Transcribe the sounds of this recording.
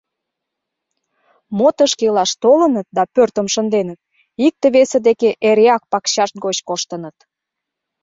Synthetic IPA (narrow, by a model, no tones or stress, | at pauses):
mot̪əʃkelɑʃt̪olənət̪̚d̪ɑpørt̪əmʃənd̪enət̪̚ | ik̚t̪əβesəd̪ekeʔeɾeɑk̚pɑkɕɑʃt̪̚ɡot͡ɕkoʃt̪ənət̪